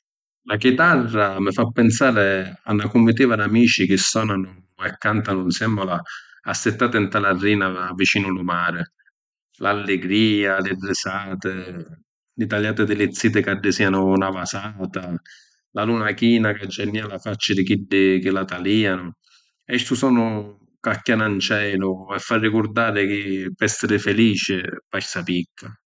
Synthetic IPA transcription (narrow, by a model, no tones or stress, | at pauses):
lakit̪arːamɪfapːɛnsaːɾɪa̰nːakumːit̪iːvadamiːt͡ʃikɪsːɔːnanʊ | ɛkːant̪anʊnsɛmːɔlaː | sːɪt̪ːaːt̪ɪnt̪alarːiːnavit͡ʃiːnʊlʊmaːɾɪ | lalːɪɡɾiːalɪrːɪsaːt̪ɪ | lɪt̪aljaːt̪ɪd̪ɪlɪt̪sːiːt̪ɪkaɖːɪsiːanʊnavasaːt̪a | lalunakiːnakad͡ʒːɛnːialafat͡ʃːad̪ɪkiɖːɪkɪlat̪aliːanʊ | ɛʃt̪usɔːnʊ | kakːjanant͡ʃɛːlʊɛfːarːikʊɾd̪aːɾɪkɪpɛsːɪɾɪfɛliːt͡ʃɪpasapikʰːa